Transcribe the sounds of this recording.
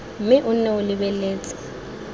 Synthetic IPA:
m̩mɪʔʊnɛʊlɪbɛleːt͡sʼḁ

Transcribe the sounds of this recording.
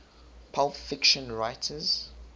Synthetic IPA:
pʰalˠffɪkʃə̃nɹaɪtʰəz̥

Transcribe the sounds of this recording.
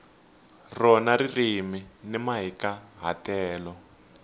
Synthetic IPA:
rɔnaririminɛmaɦikaɦa̰tɛːlɔ

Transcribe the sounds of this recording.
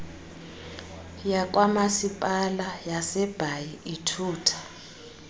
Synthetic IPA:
jak̬ʼwamasipʼalajasɛb̥ʱajiʔitʰuːtʰḁ

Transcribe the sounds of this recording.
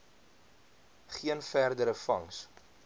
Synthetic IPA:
χiənfærdəɾəfɐŋs

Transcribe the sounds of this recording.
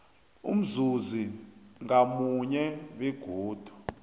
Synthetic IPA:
ṵm̩zuziŋamuɲɛwɛɡ̥ʱoːd̥ʱu̥

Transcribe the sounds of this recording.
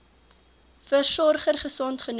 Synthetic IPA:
fərsɔrχərχəsɔntχən

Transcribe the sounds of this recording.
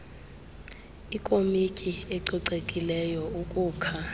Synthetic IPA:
ikʼomikʼieǀiǀekʼilɛjɔukʼuːkʰa

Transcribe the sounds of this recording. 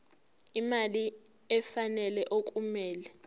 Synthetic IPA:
imali | ɛfanɛlɛʔok̬ʼumɛːlɛ

